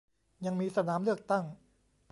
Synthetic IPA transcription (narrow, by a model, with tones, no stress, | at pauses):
ja˧ŋmiː˧sa˧naː˩˦mlɯ˥˩ək̚t̪a˥˩ŋ | pʰ